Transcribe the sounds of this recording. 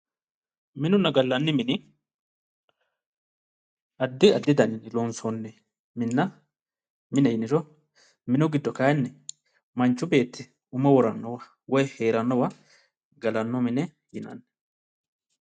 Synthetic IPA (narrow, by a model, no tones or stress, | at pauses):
mɪnʊnːɐɡɐlːɐnːɪmɪnɪ | ɐd̪ːɪɐd̪ːɪd̪ɐnɪnɪlɔnsɔnːɛ | mɪnːɐ | mɪnɛjɪnɪɾɔ | mɪnɔɡɪd̪ːɔkaːjnːɛ | mɐnt͡ʃːʊbe̞ːt̪ːɪ | ʊmɐwɔɾɐnːɔwɐ | wɔjheːɾɐnːɔwɐ | ɡɐlɐnːɔmɪnɛ | jɪnɐ̰nːɛ̥